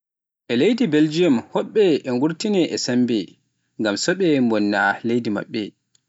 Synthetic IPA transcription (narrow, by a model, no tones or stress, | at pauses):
ʔɛlejdibeld͡ʒijɔmhɔɓːɛʔɛŋɡuɾtinɛʔɛsambɛ | ŋɡamsɔɓɛmbɔnːalejdima̰ɓːɛ